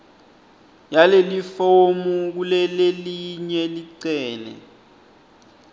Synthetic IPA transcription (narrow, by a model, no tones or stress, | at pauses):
jalelifomuk̬ulɛleliɲɛliǀɛːnɛ̰